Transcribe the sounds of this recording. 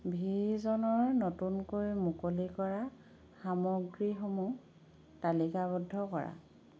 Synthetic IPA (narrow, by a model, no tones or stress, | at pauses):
bʱiɹzɔnɔɹnotunkoɹimukolikɔɹa | xamɔɡɹixomu | talikabɔdʱːɔkɔɹa̰